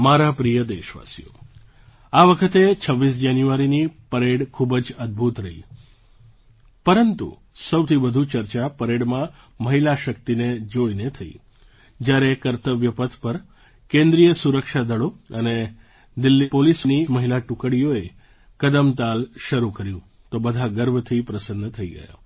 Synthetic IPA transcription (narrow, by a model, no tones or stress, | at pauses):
maɾapɾijəd̪eʃʋa̰sijo̰ | aʋəkʰət̪et͡ʃʰəʋːis̬d͡ʒanjuaɾinipəɾeɽkʰubd͡ʒəd̪̚bʱut̪ɾəɦḭ | pəɾənt̪ṵ | səwt̪ʰibəd̪ʱut͡ʃəɾt͡ʃapəɾeɽmã | məɦilaʃəkt̪ined͡ʒoinet̪ʰəḭ | d͡ʒjaɾekəɾt̪əʋjəpət̪ʰpəɾ | kẽnd̪ɾijəsuɾəkʃad̪ʱəɭoəne | d̪ɪlːipolisniməɦilaʈʊkəɽijoe | kəd̪əmt̪alʃəɾukəɾjũ | t̪obəd̪ʱaɡəɾbət̪ʰipɾəsənːt̪ʰəiɡə̰ja̰